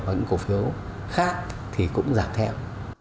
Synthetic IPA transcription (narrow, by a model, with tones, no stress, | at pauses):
ɲɨ̰˧˥ŋku˧˩fi˨˦əw | xaː˦˥k̚ | t̪ʰi˨˩kʊ̰˧˥ŋ͡mzaː˨˩k̚t̪ʰɛ̰˧w